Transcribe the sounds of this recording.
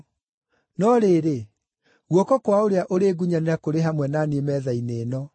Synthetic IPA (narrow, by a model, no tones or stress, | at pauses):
nɔɾeːɾe | ɣwɔkɔkwaoɾeaʔoɾeːɡuɲaneɾakoɾeɦamwɛnaniemɛðainenɔ